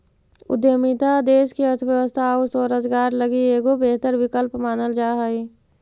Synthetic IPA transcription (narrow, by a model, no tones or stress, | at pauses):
ʊ̰d̪jəmit̪ad̪eːʃkiəɾt̪ʰʋjəʋəst̪ʰausoːɾəzɡaːɾləɡieːɡobeːɦt̪əɾwɪkəlpmaːnəld͡ʒaːɦəi